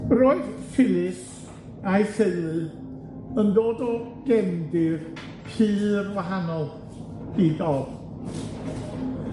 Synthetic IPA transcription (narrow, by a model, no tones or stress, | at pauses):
roːɨð̥fʰɪlˠɪs | ajseɨlˠɨ | əndoːdɔɡ̥ɛndɪr | pʰɨːrwaɦanɔlˠ | idɔ